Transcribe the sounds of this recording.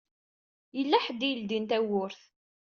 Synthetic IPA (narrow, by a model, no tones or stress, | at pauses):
jəlːæħəd̪ijəld̪int̪æwʊɾθ